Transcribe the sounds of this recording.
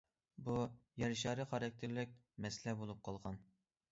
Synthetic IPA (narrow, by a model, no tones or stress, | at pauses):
bujɛɾʃɑːɾɨχɑɾɑk̚ʲt̪ʰɪɾlɪk̚ʲ | mɛslɛbolˠup̚qʰɑlˠʁɑn